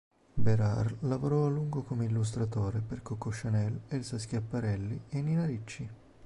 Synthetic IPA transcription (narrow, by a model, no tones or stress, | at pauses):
beɾarlavoɾɔalːuŋɡokomeilːus̬t̪ɾat̪oːɾeperkokːoʃːanɛlelsask̟japːaɾɛlːieninaɾit͡ʃːi